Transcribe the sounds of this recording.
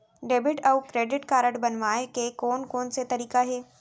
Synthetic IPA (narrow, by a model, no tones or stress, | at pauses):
ɖeːbɪʈɐʊkɾeːɖɪʈkaːɾəʈbɐnʋaːekekoːnkoːnset̪ɐɾiːkaɦɛː